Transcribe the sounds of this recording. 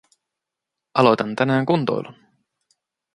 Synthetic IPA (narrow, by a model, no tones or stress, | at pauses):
ɑlo̞jt̪ɑnt̪ænæːŋkunt̪o̰jlun